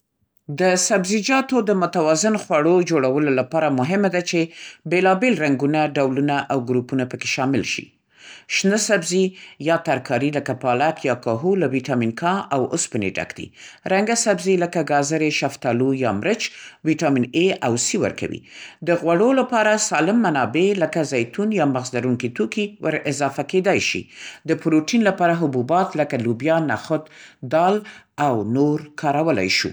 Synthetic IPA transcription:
d̪əsabzid͡ʒɑt̪od̪əmʊt̪awɑzɪnxwaɽod͡ʒoɽawəlolapɑɾamʊɦɪmad̪at͡ʃebelɑbelɾaŋɡunaɖawlunaʔawɡɾupunapəke̥ʃɑmɪlʃḭ | ʃnəsabzijɑt̪aɾkʰɑɾiləkapɑlakjɑkɑɦulawiʈɑminkɑawʊspənḛɖa̰kd̪ḭɾaŋɡasabzeləkaɡɑzaɾeʃaft̪ɑlujɑmɾət͡ʃwiʈɑmineawsiwə̰ɾka̰wḭd̪əɣwaɽolapɑɾasɑlɪmːanɑbeləkazajt̪unjɑmaɣzlaɾuŋkit̪okiwʔəɾɪzɑfaked̪ɑjʃḭd̪əpɾoʈinlapɑɾaɦʊbubɑt̪ləkalubjɑnaxʊt̪d̪ɑlawnoɾkʰɑɾawəla̰jʃṵ

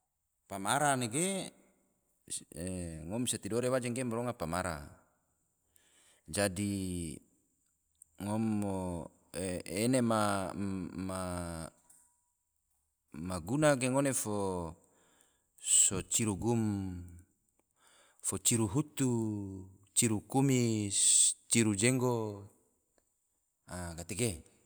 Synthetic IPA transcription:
pamaɾaneɡe | ŋomset̪idoɾewad͡ʒaŋɡemaɾoŋapamaɾa̰ | d͡ʒadi | ŋomːo | enema | ma | maɡunaɡeŋonefo | sot͡ʃiɾuɡum | fot͡ʃiɾuɦut̪u | t͡ʃiɾukumi | t͡ʃiɾud͡ʒeŋɡo | aɡat̪eɡe

